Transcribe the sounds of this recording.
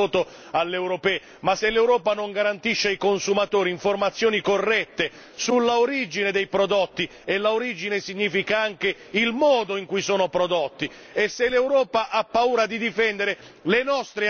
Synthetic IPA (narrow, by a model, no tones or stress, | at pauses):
oːt̪o | alːewɾopɛː | masːelːewɾɔːpanoŋɡaɾant̪iʃːeajkonsumat̪oːɾiːɱformat̪sːjoːnikorːɛt̪ːe | sulːaoɾid͡ʒined̪ejpɾod̪ot̪ːi | elːaoɾid͡ʒinesiɲːiːfikaaŋk̟e | ilmɔːd̪oiŋkujsoːnopɾod̪ot̪ːi | esːelːewɾɔːpaʔapːauːɾad̪id̪ifɛnd̪eɾe | lenɔst̪ɾe